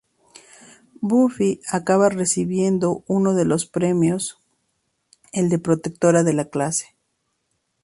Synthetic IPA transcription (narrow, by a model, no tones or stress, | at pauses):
bufiakaβare̞siβje̞nd̪o̞uno̞ðe̞lo̞spɾe̞mjo̞s | e̞ld̪e̞pɾo̞t̪e̞k̚t̪o̞ɾaðe̞laklase̥